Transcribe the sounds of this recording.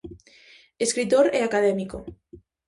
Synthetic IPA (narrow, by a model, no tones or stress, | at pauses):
eskɾit̪oɾeakað̞emiko